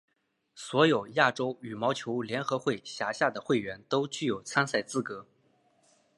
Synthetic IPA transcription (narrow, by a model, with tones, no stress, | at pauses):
swɔ˧˥jo˨˩ʊja˥˩ʈ͡ʂo˥ʊy˨˩mɑ˧˥ʊt͡ɕʰjo˧˥ʊljɛ˧˥nxɤ˧˥xwe˥˩ɪɕja˧˥ɕja˥˩d̪ə˩xwe˥˩ɪɥɛ˧˥nt̪o˥ʊt͡ɕy˥˩jo˨˩ʊt͡sʰa˥nsa˥˩ɪt͡sɹ̩˥˩kɤ˧˥